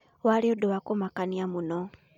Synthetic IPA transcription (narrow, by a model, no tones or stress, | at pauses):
waliodowakumakaniamuno